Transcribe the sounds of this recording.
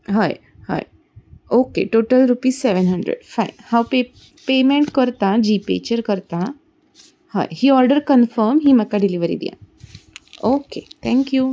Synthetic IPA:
ɦɔj | hɔ̰j | oːkḛʈoːʈəlɾupiːsseʋenɦəɳɖɾḛɖfajnhãwpe | pemẽɳʈkəɾt̪ãd͡ʑipḛt͡ɕəɾkəɾt̪ã | hɔ̰ːjɦiɔɾɖəɾkənfəɾmɦiməkːaɖiliʋəɾḭd̪ḭjã̰ | oːket̪ʰɛ̃ŋkju

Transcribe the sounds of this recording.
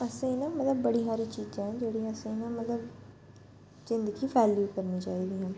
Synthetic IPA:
əsẽːɪnãːmət̪ləbːəɽiːɦaːɾiːt͡ʃiːd͡ʒãːɦɛ̃ːd͡ʒeːɽiːəsẽːɪnãːmət̪ləb | zɪ̃nd̪əɡiːʋɛːljuːkəɾniːt͡ʃaːiːd̪iːɦãː

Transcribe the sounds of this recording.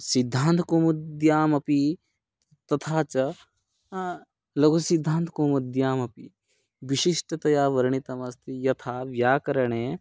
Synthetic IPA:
sid̪ʱːaːnt̪ʰkoːmɐd̪jaːmɐpi | t̪ɐt̪ʰaːt͡ʃɐ | lɐɡosid̪ʱːaːnt̪koːmɐd̪jaːmɐpi | ʋiʃiʂʈɐt̪ɐjaːʋɐɾɐɳit̪ɐmɐst̪ʰijɐt̪ʰaːʋjaːkɐɾɐɳ̃eː

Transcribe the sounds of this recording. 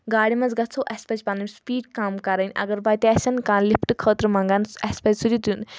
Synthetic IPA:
ɡaːɽimɐnd͡zɡɐt͡sʰoʔɐsʲpɐt͡ʃʲpanɐmʲspiːɖkaːmkɐɾɐnʲɐ̰ɡɐɾbat̪iɐsʲɐnkãːnlipʰʈɨkʰəːt̪ɾɨmãŋɡanɐspɐzʲsud̪ʲit̪un

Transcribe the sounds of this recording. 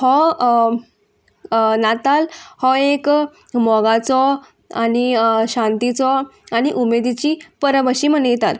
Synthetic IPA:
hɔ | nat̪alhɔek | mɔɡat͡sɔ | aniɕãnt̪it͡sɔañiʔumed̪it͡ɕiːpəɾəbəɕiːm̤ənjet̪at̪

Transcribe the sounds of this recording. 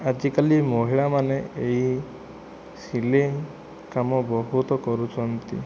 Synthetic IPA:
ad͡ʒikalimɔɦiɭamaneeɦi | sile | kamɔbɔɦut̪ɔkɔɾut͡ʃʰɔnt̪ḭ

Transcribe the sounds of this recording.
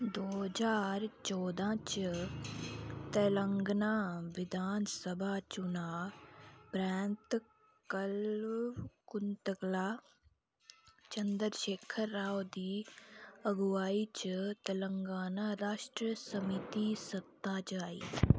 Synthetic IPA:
d̪oːɦd͡ʒaːɾt͡ʃɔːd̪ʱãːt͡ʃ | t̪ɐləŋɡnaʋɪd̪ʱaːnsəbʱat͡ʃunaː | pɾɛːnt̪ | kɐl | kʊnt̪əklaː | t͡ʃɐnd̪əɾʃeːkʰəɾːaːwd̪i | ɐɡʋaːit͡ʃt̪ɐləŋɡaːnaɾaːʃʈɾiəsɐmit̪isɐt̪ːat͡ʃaːḭ

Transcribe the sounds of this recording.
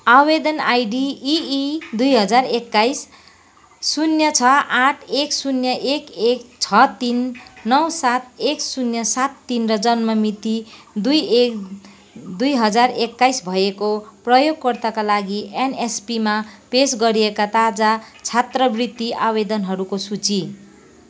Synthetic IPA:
abed̪ʌnajɖiː | d̪ujɦʌd͡zarekːajsː | unjʌt͡sʰʌaʈʰeksunjʌʔekekt͡sʰʌt̪inːʌwsat̪̚eksunjʌsat̪ːinrʌd͡zʌnmʌmit̪i | d̪uje | d̪ujɦʌd͡zarekːajsbʱʌjekoprʌjoɡ̚pʌrt̪akalaɡienespimapesɡʌɾiekat̪ad͡zat͡sʰat̪rʌbrit̪ːiʔabed̪ʌnɦʌɾukosut͡si

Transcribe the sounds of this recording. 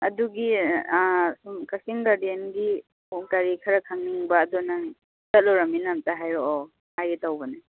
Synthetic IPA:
ɐduɡi | sumkasiŋɡadienɡi | uŋkaɾikʰaɾakʰaŋniŋbaːdɔnaŋ | tat̚lɔɾaminamtaɦajɾɔʔɔ | hajɡitawbanɯ

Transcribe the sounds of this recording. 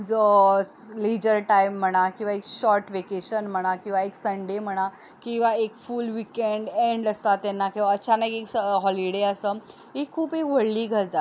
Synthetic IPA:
d͡zə | led͡ʑəɾʈajm̤ːəɽ̃akĩʋaekɕɔɾʈʋekeɕənm̤əɽ̃akĩw̃ʋaeksəɳɖem̤əɽ̃a | kĩw̃ʋaekfulʋikeɳɖeɳɖəst̪at̪ːenːakeʋəːɕʰanaekeksəɦɔliɽeəsə | ekʰuːpekʋəɭliːɡʱəd͡zd͡za

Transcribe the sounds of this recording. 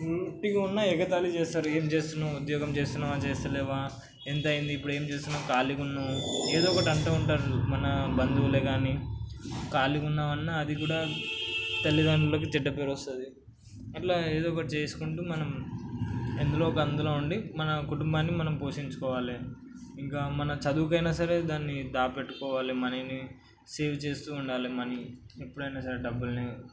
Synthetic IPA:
uʈːiɡɐunːɐɛkɐt̪aːlit͡ʃeːst̪aːɾueːmt͡ʃe̞ːst̪unːaːud̪jɔːɡɐmt͡ʃe̞ːst̪unːaːaːt͡ʃeːst̪ɐlɛːʋaː | ent̪ɐjind̪iːpːuɽe̞ːmt͡ʃeːst̪unːaːkaːlikunːaːueːd̪ɔːkɐʈɐɳʈaːuɳʈaːɾumɐnɐbɐnd̪uuleːɡaːni | kaːlikunːaːmɐnːaɐd̪ikuːɽaː | t̪ɐlːid̪aːnuloːk̬it̪iɖːɐpeːɾɐst̪ɐd̪i | ɐʈlaːeːd̪ɔːkɐʈit͡ʃe̞ːsu̥kuɳʈuːmɐnɐm | end̪ulo̞ːkɐɐnd̪ulo̞ːuɳɖimɐnɐkuʈumbaːnːimɐnɐmpo̞ːʂiɲt͡ʃu̥kɔːʋaːli | iŋkaːmɐnɐt͡ʃɐd̪uːkɐjnaːsɐɾe̞ːd̪aːnːid̪aːpeʈːu̥kɔːʋaːlimɐnini | seːʋt͡ʃe̞ːst̪uːuɳɖaːlimɐniepːuɽɐjnaːsɐɾe̞ɖɐbːulni

